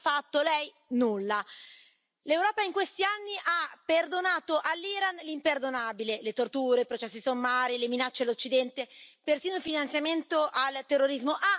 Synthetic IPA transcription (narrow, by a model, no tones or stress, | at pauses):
fat̪ːolɛj | nulːa | lewɾɔːpaiŋkwest̪ianːiʔapːerd̪onaːt̪oʔalːiɾanlimperd̪onaːbilelet̪ort̪uːɾepɾot͡ʃɛsːisomːaːɾileminat͡ʃːedlːot͡ʃːid̪ɛnt̪epersiːnoilfinant̪sjament̪oʔalt̪erːoɾizmoʔa